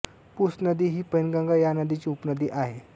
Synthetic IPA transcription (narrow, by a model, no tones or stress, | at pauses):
pusnəd̪iːɦiːpənɡãŋɡajanəd̪it͡ɕiːupnəd̪iːʔaɦe